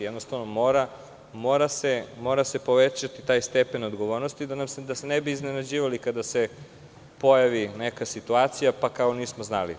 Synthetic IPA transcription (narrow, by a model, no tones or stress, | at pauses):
jɛd̪nost̪aʋnomoːɾa | mo̞ɾasemo̞ːɾase̞po̞ʋet͡ɕat̪it̪aːjst̪epe̞no̞d̪ɡoʋoɾno̞st̪id̪anamsd̪asenebiːznenad͡ʑiːʋalikad̪ase | po̞jaʋinekasit̪uaːt̪sijapakaoniːsmoznalḭ